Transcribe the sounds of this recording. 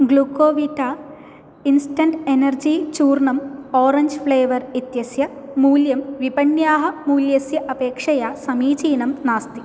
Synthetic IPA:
ɡɭukːoːʋiʈːaː | insʈɐnɖenɐrd͡ʑit͡ɕuːrɳɐmoːrɐɲd͡ʑfɭeːʋɐrit̪jɐsjɐmuːljɐmʋibɐnjaːɦɐmuːljɐsjɐʔɐbe̞ːkʂɐjasɐmiːt͡ɕiːnɐmnaːst̪i

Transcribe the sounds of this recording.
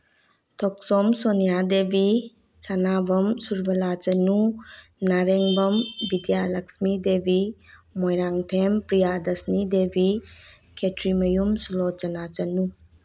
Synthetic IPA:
tʰɔk̚sɔmsonijadebi | sanabɐmsuɾbɐlat͡ʃɐnunaɾeŋbɐmbidijalɐksmidebimojɾaŋtʰempɾijadɐsnidebi | kʰetɾimɐjumsulot͡ʃɐnat͡ʃɐnu

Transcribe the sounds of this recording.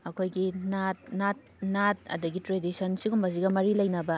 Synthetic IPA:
ɐkʰojɡinat̚nat̚nat̚ɐ̰dɐɡitɾedisɐnsiɡumbɐziɡɐmɐɾilɐjnɐbɐ

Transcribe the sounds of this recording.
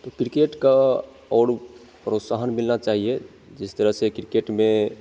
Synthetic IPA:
t̪ɔkɾikeʈka | ɔɽ | pɾot̪saɦənmilnat͡ʃaːɦie | d͡ʒɪst̪əɾəɦsekɾikeʈme

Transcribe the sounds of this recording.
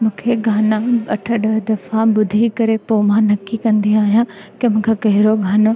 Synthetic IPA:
mʊ̃ːkʰeɡʱaːnãɐʈʰəɗəd̪ɐfãbʊd̪ʱikɐɾepoːmãːnɐkːikɐ̃nd̪ĩaːɦijãːkemʊ̃ːkʰekɐɦɪɾoɡʱaːno

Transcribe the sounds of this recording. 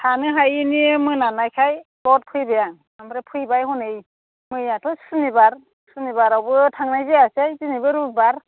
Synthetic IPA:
tʰanɯɦajiniemɯjnanajkʰajbɔt̚pʰɯjbɛjaŋ | amɾɛpʰɯjbajhɔnej | mɯjjatʰɔsunibaɾ | sunibaɾabɯtʰaŋnajzeasejzinibɯɾubaɾ

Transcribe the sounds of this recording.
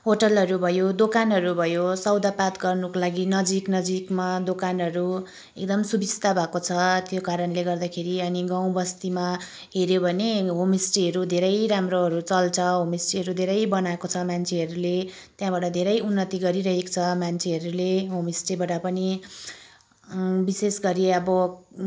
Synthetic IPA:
ɦoʈʌlɦʌɾubʱʌjod̪okanɦʌɾubʱʌjosʌwd̪apat̪ɡʌrnukolaɡinʌd͡ziknʌd͡zikmad̪okanɦʌɾu | ek̚d̪ʌmsubisʰt̪abʱakot͡sʰʌt̪jokaɾʌnleɡʌrd̪akʰeɾiʌniɡaw̃bʌst̪ima | ɦeɾjobʱʌneɦomisʈiɦʌɾud̪ʱeɾʌjɾamroɦʌɾut͡sʌlt͡sʰʌɦomisʈiɦʌɾud̪ʱeɾʌjbʌnaekot͡sʰʌmant͡sʰeɦʌɾule | t̪jãbaʈʌd̪ʱeɾʌjunːʌt̪iɡʌɾiɾʌɦekt͡sʰʌmant͡sʰeɦʌɾuleɦomisʈibaʈʌpʌni | bisesɡʌɾiʌbʌ

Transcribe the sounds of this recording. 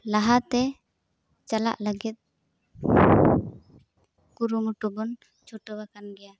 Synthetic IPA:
laɦat̪ɛ | t͡ʃala̰ʔləɡit̪̚ | kuɾumuʈubɔn | t͡ʃʰuʈɔbakanɡɛja

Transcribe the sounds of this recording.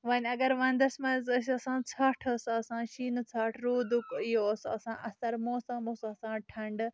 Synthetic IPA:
ʋɐnʲɐɡɐɾʋɐ̃nd̪ɐsmɐzɐs̬ɐsãːt͡sʰaːʈʰːsaɐsãːʃiːnɨt͡sʰaːʈʰɾuːd̪ukijosɐsã̰ːʔɐst̪ɐɾmoːsãːmoːsɐsãːʈʰɐɳɖ

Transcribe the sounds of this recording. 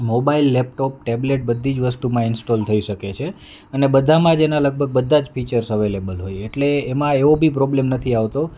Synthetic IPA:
mobailːɛp̚ʈop̚ʈɛbleʈ̚bəd̪ʱːid͡ʒʋəsʈumãɪnsʈolt̪ʰəiʃəket͡ʃʰe | ənebəd̪ʱamãd͡ʒenaləɡ̚bʱəɡ̚bəd̪ʱːãd͡ʒfit͡ʃəɾsəʋelebəlɦojeʈleːmãeobʱipɾɔblemnət̪ʰiaʋt̪o

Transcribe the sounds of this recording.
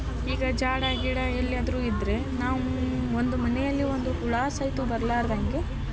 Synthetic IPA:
iːɡɐd͡ʒaːɽaːɡiɽɐelːiad̪ɾuːid̪ɾe̞ | naːʋuond̪umɐnɛjɐlːiond̪uuɭaːsɐjt̪ubɐɾlaːɾd̪ɐŋɡe

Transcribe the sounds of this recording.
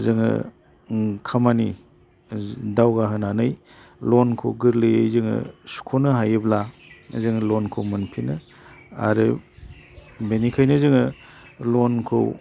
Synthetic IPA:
zɯŋɯ̰ | kʰamani | dawɡaɦɯnanɯj | lɔnkʰoɡɯɾlɯjejzɯŋɯ̰su̥kʰonɯɦajɯblazɯŋlɔnkʰowmɯnpʰinɯ | a̰ɾɯ | benikʰajnɯzɯŋɯ | lɔnkʰɯ̰w

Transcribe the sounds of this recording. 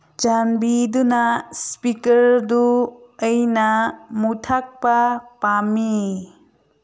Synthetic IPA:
d͡ʒanbidunaspikɐɾduː | jnɐmutʰak̚pɐpami

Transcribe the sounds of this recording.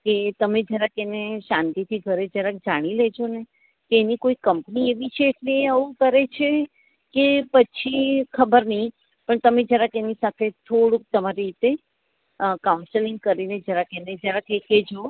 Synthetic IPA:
ket̪əmed͡ʒjaɾakeneʃãnt̪it̪ʰiɡʱəɾed͡ʒəɾak̚d͡ʒaɽ̃iled͡ʒone | keːnikoikəmpnieʋit͡ʃʰeːʈleːəʋũkəɾet͡ʃʰe | kepət͡ʃʰikʰəbəɾnəĩ | pəɳt̪əmed͡ʒjaɾakenisat̪ʰet̪ʰoɽũk̚t̪əmaɾiit̪e | kaũnsəliŋɡ̚kəɾined͡ʒjaɾakened͡ʒjaɾakeked͡ʒo

